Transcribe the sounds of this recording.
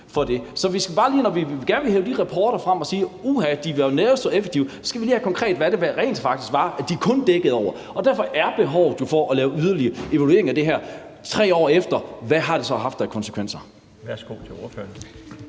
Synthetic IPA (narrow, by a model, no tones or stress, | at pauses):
fɒ̽d̥e̝sɒ̽ʋisɡ̥æb̥ɑ̈ːliːnɒʋiɡ̥æɐnʋeheːʊd̥iʁɑpʰɒːɾ̥ɐfʁam̰ɒ̽siːuːɦæd̥iʋenesd̥ɒ̽efeɡ̥t͡sʰiʊsɒ̥sɡ̥æʋiliːhækʰɒ̽ŋkʰʁɛ̰ːd̥ʋæɐ̥e̝ʋæʁɛ̰ːnd̥fɑ̈ɡ̥d̥isɡ̥ʋɑ̈æd̥ikʰɔ̽nd̥eɡ̥ð̩ˠɒʊ̰ɐ | ɒ̽d̥æɐfɒ̽ʔæɐb̥e̝ɦɒʊ̰ð̩ˠd̥ufɒʔɒ̽lɛːʊyð̞ˠɐliɐe̝ʋælue̝ɐeŋæd̥e̝ɦæɐ̰t͡sʰʁɛ̰ːɒ̰ːefd̥ɐʋæɦɑ̈ɾ̥e̝sɒ̽ɦɑ̈fd̥ɑkʰɒ̽nse̥kʰʋen̰sɐ | ʋæɐsɡ̥o̝̰t͡sʰeo̝ɐfø̰ɐn